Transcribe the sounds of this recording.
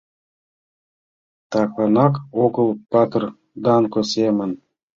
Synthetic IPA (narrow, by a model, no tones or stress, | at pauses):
t̪ɑkɑnɑkokə̆lˠpɑt̪r | d̪ɑnkosemən